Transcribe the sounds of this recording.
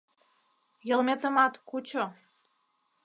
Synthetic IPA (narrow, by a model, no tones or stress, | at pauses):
jəlmet̪əmɑt̪kut͡ɕo